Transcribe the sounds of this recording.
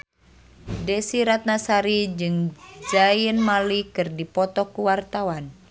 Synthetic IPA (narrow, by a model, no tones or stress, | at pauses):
dɛsiɾat̪̚nasaɾid͡ʒɨŋd͡ʒajənmalikɨrdipɔt̪ɔkuwart̪awan